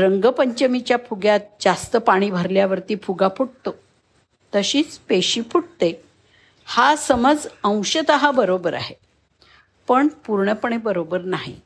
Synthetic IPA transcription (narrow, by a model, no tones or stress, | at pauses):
ɾəŋɡəpəɲt͡ɕəmit͡ɕjapʰuɡjat̪̚d͡zast̪əpaɽ̃iːbʱəɾljaʋəɾt̪iːpʰuɡapʰuʈ̚t̪o | t̪əɕiːt͡speɕiːpʰuʈt̪e | hasəməd͡zə̃w̃ɕət̪əɦabəɾobəɾa̰ɦe | pəɳpuɾɳəpəɳebəɾobəɾnaɦḭ